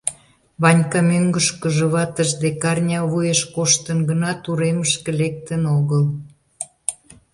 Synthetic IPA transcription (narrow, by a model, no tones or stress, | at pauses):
βɑnʲkɑmyŋɡəʃkəʒə̆βɑt̪əʒd̪ekɑrnʲɑβujeʃkoʃt̪ənɡənɑt̪uɾeməʃkĕlek̚t̪ənoɣəl